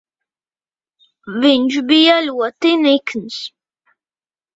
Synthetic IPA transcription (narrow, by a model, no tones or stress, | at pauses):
vind͡ʒbijalwat̪inikʰəns